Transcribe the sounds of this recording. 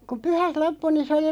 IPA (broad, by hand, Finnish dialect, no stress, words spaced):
ku pyhæt lopːu niːn̞ se oli